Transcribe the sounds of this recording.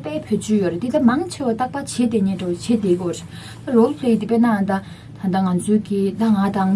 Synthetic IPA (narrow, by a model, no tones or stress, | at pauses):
pɛːpʰøːt͡ɕøːjøret̪it̪amaŋt͡ɕʰewat̪aʔ̚pat͡ɕʰet̪eɲeːɖ͡ʐawt͡ɕʰet̪ekijɔreʔ | t̪arolpʰlet̪ipeʔnaɦand̪a | t̪ʰand̪aŋant͡sʰøːkit̪aŋat̪aŋ